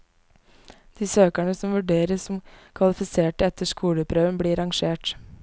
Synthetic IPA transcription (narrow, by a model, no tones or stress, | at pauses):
d̪̥iːsøːkæɳəsɔmʋʉɖeːɾəsɔmkʰʋɑlɪfɪseːʈəɛt̪əʂkuːləpʰɾøːʋənbɽiːɾɑŋʃeːʈ